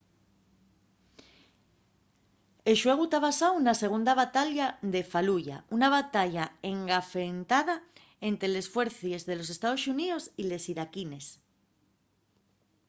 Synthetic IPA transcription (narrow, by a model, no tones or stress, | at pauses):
eʃwe̞ɣ̞ut̪aβasawunase̞ɣ̞und̪aβat̪aʎaðe̞faluʝa̰unaβ̞at̪aʎaeŋɡafe̞nt̪aða | e̞nt̪ɾele̞sfwe̞ɾθje̞zðe̞lo̞s̬e̞st̪að̞o̞sunio̞sile̞siɾakine̞s